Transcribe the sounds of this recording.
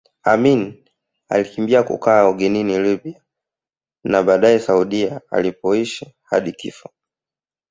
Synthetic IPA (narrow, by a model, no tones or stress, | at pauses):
amin | a̰likimbiakṵkaːɔɡɛninilibia | naɓaːɗaɛsauɗiaa̰lipɔiʃaha̰ɗikḭfḁ